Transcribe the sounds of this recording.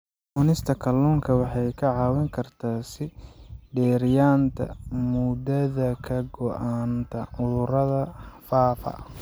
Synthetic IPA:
ʊnɪst̪ʰɐkʰɐlːuːŋkʰɐwɑħɑjkʰɐʕɑːwɪŋkʰɐrt̪ʰaːsɪɖɛːɾɪjaːnt̪ʰɐ̰mʊd̪ɐðɐkʰɐɡɔʔaːnt̪ʰɐʕʊðʊɾɐðɐfaːfɐ̰

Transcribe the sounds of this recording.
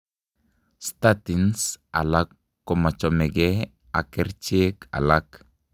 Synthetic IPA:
st̪atinsa̰lakː | ɔmat͡ʃɔmɛɡɛ | akɛɾt͡ʃeka̰lak

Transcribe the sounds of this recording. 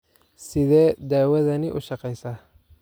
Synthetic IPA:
sɪðɛːd̪aːwɐðɐnɪʔʊʃɑqɛjsɐː

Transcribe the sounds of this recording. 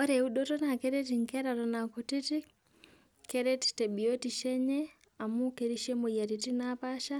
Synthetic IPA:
oɾeuɗotonakeɾetiŋkɛɾaɾonakotiti | keɾeti̥teɓiotiʃɛɲɛ | amukeɾiʃemojatitinapaʃa

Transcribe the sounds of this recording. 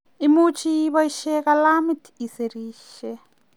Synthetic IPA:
imut͡ʃʰiβaiʃɛkalamitʰi̥iseɾiːʃɛ

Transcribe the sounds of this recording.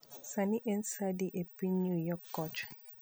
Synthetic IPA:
sanɪʔen̩sadɪʔepinujɔkːɔt͡ʃ

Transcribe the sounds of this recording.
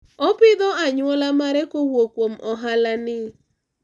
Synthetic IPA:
ɔpɪd̪ɔaɲwɔlamaɾɛkowokwomɔɦalanɪ

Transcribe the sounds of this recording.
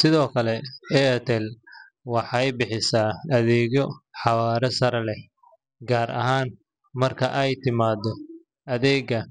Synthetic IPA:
sɪðɔːkʰɐlɛɛt̪ʰɛl | wɑħɑjbɪħɪsaːɐðɛːɣɔħɑwaːɾɛsɐɾɐlɛ | ɡaːɾʔɐ̰ɦaːn | mɐrkʰɐʔɛjt̪ʰɪmaːd̪ɔ | ɐðɛːɡɐ

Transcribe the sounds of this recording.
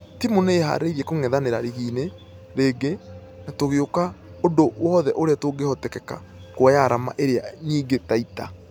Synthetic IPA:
timuneːɦa̰ɾeɾiɛkoŋɛðaneɾaɾiɣiːne | ɾeːɡe | natoɣeokaodowɔːðɛʔoɾeatoɡehɔtɛkɛka̰ | koajaɾama̰ʔeɾeaɲiːŋɡetaita̰

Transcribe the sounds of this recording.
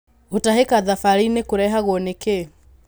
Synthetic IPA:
utaɦɛkaðafaɾinekuɾɛɦaɣɔneke

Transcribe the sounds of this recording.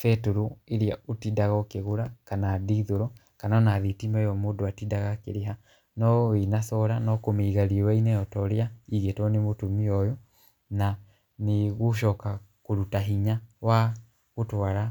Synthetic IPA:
fɛtoɾoeɾeaotidaɣakeɣoɾakanadiːðoɾɔ | kananaðitimɛjɔmoːdoatidaɣakḛɾeɦa | nɔinasɔɾanɔkomiːɣaɾiwainɛɔtɔɾeaiɣetɔnemotomiɔjɔ | na | neɣoʃ̬ɔːkakoɾutaɦiɲawa | ɣotwaɾa

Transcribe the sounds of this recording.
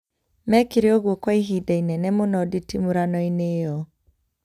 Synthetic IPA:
mɛkiɾeɔɣwɔkwaiɦidainɛnɛmonɔditimuɾanɔinejɔ

